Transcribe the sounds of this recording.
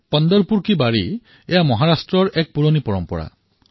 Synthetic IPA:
pɔnd̪ɔɾpuɾkibaɾi | ejamɔɦaɾasʈɾɔɾek̚puɾɔnipɔɾɔmpɔ̰ɽa̰

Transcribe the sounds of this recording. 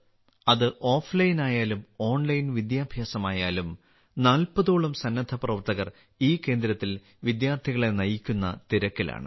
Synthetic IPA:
ɐðɨʔo̞ːflɐjinaːjaːlumo̞ːɳlɐjinʋid̪jaːbʱjaːsɐmaːjaːlum | naːlpɐðoːɭɐmsɐnːɐd̪ʰʱɐprɐʋɐrt̪ɐɣɐr | iːkːe̞ːnd̪ɾɐt̪ːil | ʋid̪jaːrt̪ʰiɣɐɭe̞nɐjikʲːunːɐt̪iɾɐkːila̰ːɳɨ̰

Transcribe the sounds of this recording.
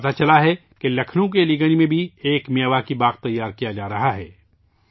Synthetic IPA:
ɐt̪at͡ʃɐlaɦɛ | kelɐkʰnõk̬eliɡəɽ̃imẽbʱieːkmiəʋakibaːqt̪ɐjːaːɾkijad͡ʒaːɾɐɦaɦɛː

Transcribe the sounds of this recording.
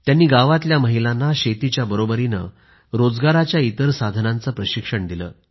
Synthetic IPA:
t̪janːiːɡaʋat̪ljaməɦilanːaɕet̪it͡ɕjabəɾobəɾinə̰ | ɾod͡zɡaɾat͡ɕjait̪əɾsad̪ʱənãnt͡səpɾəɕikʂəɳd̪ilə̰ː

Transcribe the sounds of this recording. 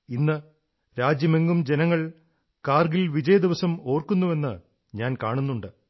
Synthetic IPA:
inːɨ | ɾaːd͡ʑjɐme̞ŋɡumd͡ʑe̞nɐŋːɐɭ | kaːrɡilʋid͡ʑɐjɐd̪iʋɐsɐmo̞ːrkunːuʋe̞nːɨ | ɲaːnkaːɳunːuɳɖɨ

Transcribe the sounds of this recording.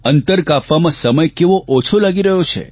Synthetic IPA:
ənt̪əɾkafamãsəməjkeʋoʔot͡ʃʰolaɡiɾəɦjot͡ʃʰḛ

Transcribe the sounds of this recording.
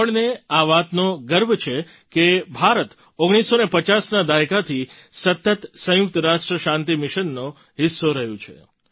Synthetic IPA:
əɭneaʋat̪noɡəɾbʱt͡ʃʰe | kebʱaɾət̪ | oɡɽ̃isːonepət͡ʃasnad̪aekat̪ʰi | sət̪ːət̪sə̃jʊk̚t̪əɾaʃʈɾəʃãnt̪imɪʃənːõ | ɦɪsːoɾəɦjũt͡ʃʰḛ

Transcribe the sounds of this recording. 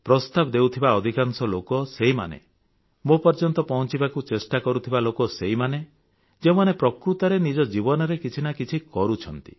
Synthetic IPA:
pɾɔst̪abɔd̪ewt̪ʰibaɔd̪ʱikansɔlokɔseɦima̰nḛ | mopɔɾd͡ʒɔnt̪ɔpɔɦɔ̃t͡ʃibakut͡ʃesʈakɔɾut̪ʰibalokɔseɦimane | d͡ʒewmanepɾɔkɾut̪aɾenid͡ʒɔd͡ʒibɔnɔɾekit͡ʃʰinakit͡ʃʰikɔɾut͡ʃʰɔnt̪i̥

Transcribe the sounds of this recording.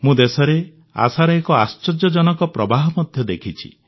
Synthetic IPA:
mũd̪esɔɾe | a̰saɾɔekɔast͡ʃɔd͡ʒɔd͡ʒɔnɔkɔpɾɔbaɦɔmɔd̪ʱjɔd̪ekʰit͡ʃʰḭ

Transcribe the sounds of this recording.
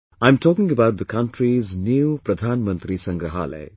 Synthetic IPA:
ãɪ̃mtʰɔːkɪ̃ŋəbaʊʈ̚d̪əkãnʈʰɾiznjupɾɐd̪ʱaːnmə̃nt̪ɾisɐ̃ŋɡɾəɦa̰ːlə̰ɪ

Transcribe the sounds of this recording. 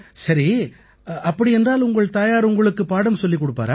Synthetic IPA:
sɐɾi | ɐpːɐɽiɛndraːlʊŋɡɐɭt̪aːjaːɾʊŋɡɐɭɯkːɯpaːɽɐmsɔlːikːɔɽɯpːa̰ːɾaː

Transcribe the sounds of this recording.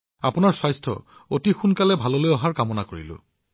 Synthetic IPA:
a̰punaɹsajstʰɔ̰otixunkalɛbʱalɔlojɔɦaɹkamɔnakoɹḭlʊ̰

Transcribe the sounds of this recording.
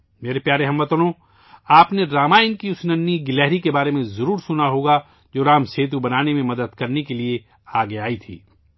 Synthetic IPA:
meːɾepjaːɾeɦɐ̃mʋɐt̪lõ | aːpneɖɾaːmaːɪnkiʊsnənːiɡɪlɛːɦɾikebaːɾemẽzɐɾuːɾsʊnaɦoːɡa | d͡ʒoːɾaːmseːt̪̬ubɐnaːnemẽmɐd̪əd̪kɐɾnekelie | aːɡeaːit̪ʰḭː

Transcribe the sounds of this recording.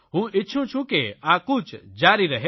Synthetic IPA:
ɦũʔɪtːʃʰũt͡ʃʰũkeakut͡ʃd͡ʒaːɾiɾɐɦe

